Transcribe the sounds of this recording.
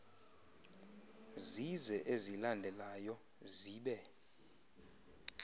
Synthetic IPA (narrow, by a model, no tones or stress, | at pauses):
zizɛʔezilandʱɛlajɔ | ziːɓɛ